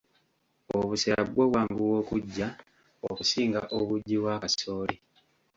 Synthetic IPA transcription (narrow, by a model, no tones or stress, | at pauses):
oβusea̰βwoːβwaːŋɡuwo̞ːkuɟːa | okusiːŋɡaʔoβuɟːiβwakasoːli